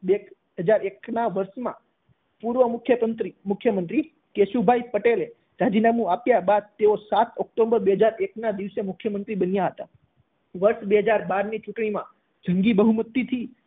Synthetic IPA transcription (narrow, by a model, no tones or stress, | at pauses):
be | ɦəd͡ʒaɾeknaʋəɾʃmã̰ | puɾʋəmʊkʰjəənt̪ɾimʊkʰːjəmənt̪ɾi | keʃubʱajpəʈele | ɾad͡ʒinamũapjabad̪̚t̪eosat̪ʰɔk̚ʈombəɾbeɦəd͡ʒaɾeknad̪iʋsemʊkʰjəmənt̪ɾibənjaɦət̪a̰ | ʋəɾʃbeɦəd͡ʒaɾbaɾnit͡ʃuʈɳ̃imã | d͡ʒʱəŋɡibəɦumət̪ːit̪ʰi